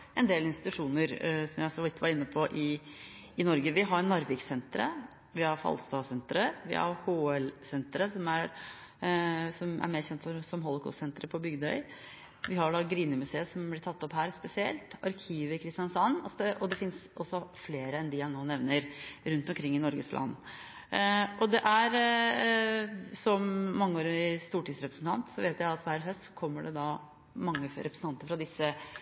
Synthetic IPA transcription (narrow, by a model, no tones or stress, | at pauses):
ʔɛnd̪eːlɪnst̪ɪt̪ʉʂuːnəɾsɔmjæɪsɔʋ̪ɪt̪ːəʋɑɾɪnːəpʰɔʔɪː | nɔɾɡəʋɪɦɑɾnʋɑɾʋɪksɛnt̪ɾə̰ | ʋɪhɑɾfɑ̰lst̪ɑːsɛnt̪ɾəʋɪ̰hɑ̰ɾhoːɛlsɛnt̪ɾəsɔmæɾ | sɔmʔæ̰ɾmeːɾçɛnt̪fɔɾsɔmɦɔlˠɔkʰɔ̰ssɛnt̪ɾəpʰɔbʏɡd̪œʏ | ʋɪhɑɾɖɑɡɾiːnəmʉseːəsɔmblɪʈʰɑt̪ːɔpɦæːɾspɛsɪɛ̰lt̪ɑɾkʰiːʋəɪkʰɾɪst̪ɪjɑnsɑnːɑsd̪ɛʔɔd̪ɛfɪnsɔsːɔfleːɾəɛnd̪ɪhænoːnɛʋnəɾɾʉnt̪ɔmkʰɾɪŋːɪnɔɾɡəslʔɑ̰nː | ɔd̪ɛʔæɾ | sɔmːɑŋːəoːɾɪst̪uːʈiːd̪sɾɛpɾəsn̩t̪ʰɑ̰nt̪sɔʋeːt̪jæɪɑt̪ʋæːɾɦœst̪kʰɔmːəɖɛd̪ɑ | mɑŋːəɾʔɛpʰɾəsn̩ɑnt̪əɾfɾɑd̪ɪsːə